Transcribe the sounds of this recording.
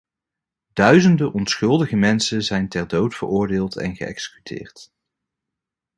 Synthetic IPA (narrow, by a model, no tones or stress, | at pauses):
d̥œɥzəndəʔɔnsχɵlˠdəχəmɛnsənzɛjntɛɹdowtfə̰ɹʊːɹdɪːlˠtɛ̰nχəʔɛ̰ksə̥ky̥tʰɪ̰ːɹt